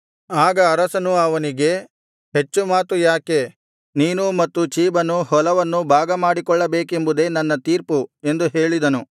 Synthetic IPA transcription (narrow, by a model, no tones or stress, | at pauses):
aːɡɐːɾɐsɐnuɐʋɐniɡe̞ | ɦe̞t͡ʃːumaːt̪ujaːke̞ | niːnumɐt̪ːut͡ʃiːbɐnuhɔlɐʋɐnːubʱaːɡɐmaːɽikɔɭːɐbe̞ːke̞mbud̪e̞ːnɐnːɐt̪iːɾpue̞nd̪uɦe̞ːɭid̪ɐnu